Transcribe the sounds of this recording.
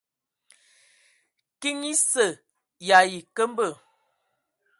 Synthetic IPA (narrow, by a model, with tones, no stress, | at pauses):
ki˦ŋi˦sə˨ | ja˨ji˨kə˦m˦bə˦˨